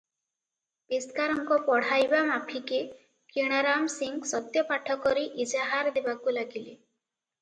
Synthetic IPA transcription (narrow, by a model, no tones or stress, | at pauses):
biskaɾɔŋkɔpɔɽ̤ajbamapʰike | kiɽ̃aɾamsiŋɡsɔt̪jɔpaʈʰɔkɔɾeʔid͡ʒaɦaɾd̪ebakulaɡile